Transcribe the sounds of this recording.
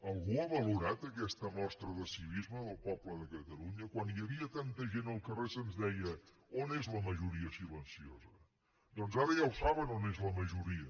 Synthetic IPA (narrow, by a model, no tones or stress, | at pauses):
əlˠɣuəβəluɾat̪əkɛst̪əmɔst̪ɾəðəsiβizməβəlˠpɔpləðəkət̪əluɲəkwanjəβiət̪ant̪əʒenəlˠkəresənzðɛjə | onezləməʒuɾiəsilənsiozə | d̪ɔnzaɾəjawsaβənonezləməʒuɾiə